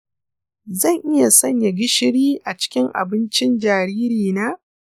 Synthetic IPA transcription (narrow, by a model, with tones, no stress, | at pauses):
zɐ˦˨ŋʔɪ˦ja˨sɐ˦˨ɲja˨ɡʲɪ˦ʃɪ˦ɽiː˦ʔa˨t͡ʃɪ̥˦kʲɪ˦ŋʔa̰˨bɪ˦nt͡ʃɪ˦nd͡ʒaː˨ɾiː˦ɾiː˨naː˦